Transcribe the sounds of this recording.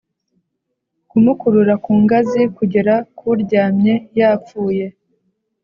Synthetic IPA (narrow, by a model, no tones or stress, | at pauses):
kumukuɾuɾakuːŋɡazikuɟe̞ɾakʰuɾɟaːmɲe̞jaːp͡fuːje̞